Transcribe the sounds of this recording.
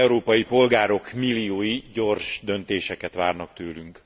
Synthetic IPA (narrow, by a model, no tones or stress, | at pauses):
uɾoːpɒjipo̞lɡaːɾo̞kmilːioːjiɟo̞rʃd̪ø̞nt̪eːʃɛkɛt̪ʋaːrnɒkt̪øːlyŋk